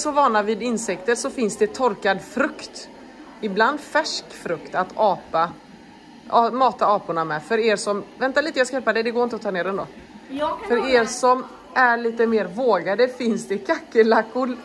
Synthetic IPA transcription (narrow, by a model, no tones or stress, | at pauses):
sɔvɑːɳavɪd̪ɪnsɛkt̪əɾʂɔfɪnsd̪ɛt̪ʰɔɾkad̪fɾɵkt̪ | ɪbland̪fæʂkfɾɵkt̪at̪ɑːpa | ɑːmɑːt̪aɑːpʊɳamɛfœɾeːɾʂɔmvɛnt̪aliːt̪əjɑːskajɛlpaɖ̪ɛd̪ɛɡoːɾɪnt̪əɔt̪ʰɑːneːɾɛnd̪o̰ː | fœɾeːɾʂɔm | ʔæɭiːt̪əmeːɾvoːɡad̪əfɪnsd̪ɛkʰakːəlakːʊɾ